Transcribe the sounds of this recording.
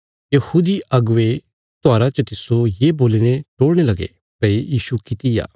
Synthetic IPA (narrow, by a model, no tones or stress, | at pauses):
jɐhuːd̪iʔɐɡʊʋe | t̪oaːɾat͡ʃɐt̪ɪsojeːboːlineʈoːɽɽ̃elɐɡḛ | pɐejiːʃukɪt̪ija̰ː